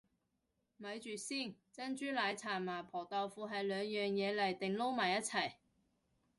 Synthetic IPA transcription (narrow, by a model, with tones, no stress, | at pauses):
mɐ˨˧˥jt͡ʃyː˨siː˥˩nt͡sɐ˥nt͡ʃyː˥laː˨˧jt͡sʰaː˨˩nmaː˨˩pʰɔː˨˩t̪ɐ˨˧wfuː˨˧ɦɐ˨jlœː˨˧ŋjœː˨ŋjɛː˨˧lɐ˨˩jt̪ɪ˨ŋlo˥wmaː˨˩jɐ˥t̚t͡sʰɐ˨˩j